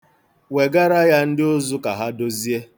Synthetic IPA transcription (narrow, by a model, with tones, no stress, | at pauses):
we˨ɡa˦ɾa˦ja˦n̩˦dɪ˦o˦zʊ˦ka˨ɦa˦do˦zi˦e˦